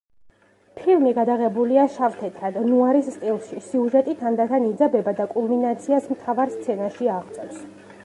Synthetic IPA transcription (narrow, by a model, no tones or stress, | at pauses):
pʰilˠmiɡad̪aʁɛbuliaʃaft̪ʰɛt̪ʰɾad̪nuaɾisːt̪ʼilˠʃisiuʒɛt̪ʼit̪ʰand̪at̪ʰanid̪zabɛbad̪akʼulˠminat̪sʰiasmt̪ʰavaɾst̪sʰɛnaʃiaʁt̪sʼɔvs